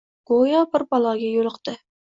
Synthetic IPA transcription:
ɡ̥ojɑbɪɾbɑlˠɑɡʲɛjolˠəqt̪ɨ

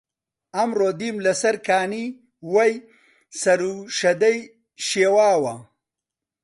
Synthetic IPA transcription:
ɐmɾod̪imlɐsɐɾkaːni | wɐj | sɐɾuʃɐd̪ɐj | ʃewaːwa

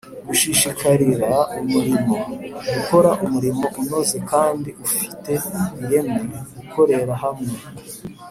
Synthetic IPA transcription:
ɡuʃiʃikʰaɾiɾaumuɾimo̞ɡuko̞ɾaʔumuɾimo̞ʔuno̞ze̞kaːndiufi̥te̞iɾe̞meɾeɡukʰo̞ɾe̞ɾaɦamŋe

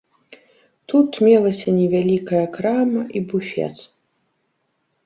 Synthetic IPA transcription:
t̪ut̪mʲɛlˠɐsʲɐnʲɛvʲalʲikɐjɐkɾamɐʔibufʲɛ̰t̪s

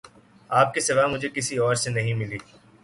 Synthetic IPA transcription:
aːp̚kisɪʋaːmʊd͡ʒʱekɪsiɔːɾsenɐɦĩmɪliː

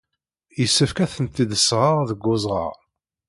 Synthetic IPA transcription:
jəsːəfkæθənt̪iðəsʁəʁðəɡːʊzˤʁə̰ʁ

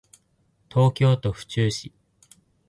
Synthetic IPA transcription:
t̪ʰo̞ːkʲo̞ːt̪o̞ɸɯ̟̥t͡ɕɨːɕi

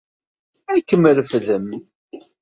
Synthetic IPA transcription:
ækːəmːələfðəm

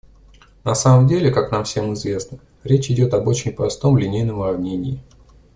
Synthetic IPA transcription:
nɐsaməmdʲelʲɪkakn̪amfsʲe̞mɨzvʲe̞snə | ɾʲet͡ɕɪdʲo̞t̪ɐbo̞t͡ɕɪnʲpɾɐst̪o̞mlʲɪnʲejnəmrɐvnʲenʲɪː

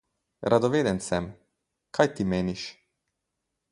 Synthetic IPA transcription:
ɾʔad̪ɔʋeːd̪ɛnsɛm | kʰajt̪imeːniʃ

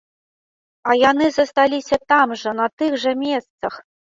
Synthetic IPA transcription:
ɐjanɨzɐst̪alʲisʲɐt̪amʐɐnɐt̪ɨɣʐɐmʲɛst̪sɐx

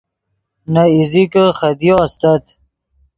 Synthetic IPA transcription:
naizikəχɐd̪joɐst̪ɐt̪

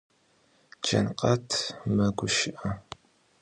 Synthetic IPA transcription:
d͡ʒɐ̰nqʼɐtʰmɐɡʷʊʃɪʔɐ

